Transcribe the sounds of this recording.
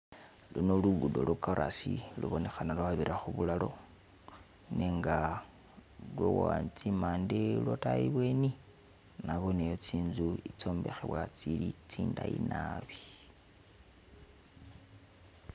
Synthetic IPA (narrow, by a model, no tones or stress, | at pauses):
lunoluɡudo̰lukaɾʔasilṵβo̞ne̞xanalwaβiɾʔaxuβulalo̞ | neŋɡa | lwowoant͡simaːndelwotaiβwe̞ni | naβo̞nejot͡siːnzuit͡so̞ːmbe̞xeβwat͡silit͡siːndaḭnaβi